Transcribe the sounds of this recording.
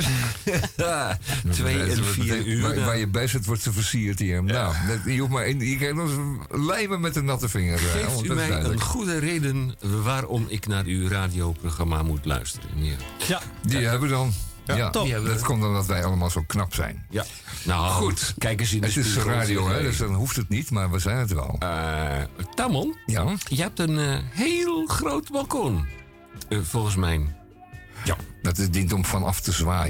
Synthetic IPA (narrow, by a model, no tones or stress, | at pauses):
ɔʋefiʋaʋajəbɛsətʋɔrtsəfərsiərtiərəmnawdtjufmaɪnjəkɛdɔ | lɛjməmɛtənatəfɪŋəejftymɛjɛjələnχudəreːdənʋaːɾɔmɪknaːɾyraːdijowproɣramamutlœ̰ɥstərə̰nji | diɛbədɔnjadɔtkʰɔmdɔndɔtʋɛjɑləmaːlˠzowknɑpsɛ̰jn | naxutkɛjk̬əsinətɪsraːdioɛdøsdɔnɦuftətnitmaɹʋəzɛjnətʋɛ̰lˠ | tamɔlˠjajəhɛp̚tənɦeːlˠxrowtbalˠkon | fɔlˠɣəns̬mɛjn | jadɔtɪsdintɔmfɔnɑftəzʋaː